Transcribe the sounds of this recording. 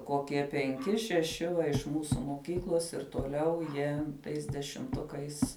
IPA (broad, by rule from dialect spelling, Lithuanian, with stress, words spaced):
koːˈkʲiɛ pʲɛŋʲˈkʲɪ ʃʲɛˈʃʲɪ ʋɐ ɪʃ ˈmuːsʊ moːˈkʲiːklˠoːs ɪr toːˈlʲɛʊ jiɛ ˈtɐɪs dʲɛʃʲɪmˈtʊkɐɪs